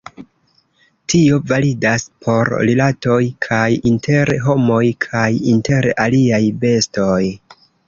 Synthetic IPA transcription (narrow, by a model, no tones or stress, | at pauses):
tio̞validaspʰo̞ɾɾilato̞jkʰajinte̞ɾɦo̞mo̞jkʰajinte̞ɾaliajbe̞sto̞j